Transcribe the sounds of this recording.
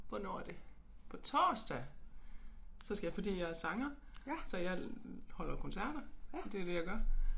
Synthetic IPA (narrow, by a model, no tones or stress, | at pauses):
ʋɒnɒd̥e̝ | pʰɒ̽t͡sʰɒ̰ːsd̥æ | sɒ̽sɡ̥æjɑfɒ̽d̥ḭːjɑ̈ɪæɐsɑ̈ŋɐ | sɒ̽jɑ̈ɪhɒ̽l̰ɐkʰonsæɐ̰ɾ̥ɐd̥e̝æd̥e̝jɑ̈ɡ̥ɶɐ